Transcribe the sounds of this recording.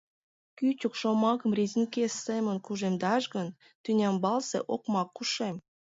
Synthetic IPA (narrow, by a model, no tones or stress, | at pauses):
kyt͡ɕukʃomɑkəmrezʲinʲkesːemənkuʒemd̪ɑʃɣən | t̪ynʲɑmbɑlsḛʔokmɑkːuʃem